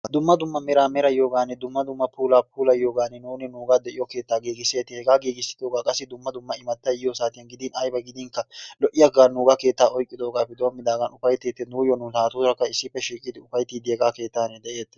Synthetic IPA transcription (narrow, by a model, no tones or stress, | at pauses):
d̪ʊmːɐd̪ʊmːɐmɛɾaːmɛɾɐjo̞ːɡaːnːɛd̪ʊmːɐd̪ʊmːɐpʰuːlaːpʰuːlɐjo̞ːɡaːnːɛnuːnɪnuːɡaːd̪ɛʔɪjɔke̞ːt̪ːaːɡeːɡɪsːeːt̪ːɪhɛɡaːɡeːɡɪsːɪ̥d̪o̞ːɡaːkʼɐsːɪd̪ʊmːɐd̪ʊmːɐɪmɐt̪ːɐjjosaːt̪ɪjɐnɡɪd̪ɪnɐjbɐɡɪd̪ɪŋkɐlɔʔɪjɐɡaːnuːɡaːke̞ːt̪ːaːʔɔjkʼːɪd̪oːɡaːpːɛd̪omːɪd̪aːɡɐnʊfɐjt̪eːt̪ːɛnuːjɔnʊt̪aːt̪uːɾɐkːɐɪsːɪpːɛʃiːkʼɪd̪ɪʊfɐjt̪iːd̪ɪɛɡaːke̞ːt̪ːaːnɛd̪ɛʔe̞ːt̪ːɛ̥